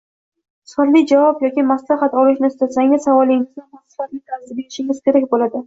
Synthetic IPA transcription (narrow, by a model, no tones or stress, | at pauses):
saɾlɪd͡ʒavɒpjɒkʲimaslaχat̪ɒlɪʃnɪɪst̪asaŋʲɪzsavɒlˠːɪŋɪznanmʰasɪfat̪lɪk̪ʰaɾzɪbe̞ɾɪʃɪŋʲɪz̥kʲe̞ɾak̚ʲbolad̪ɪ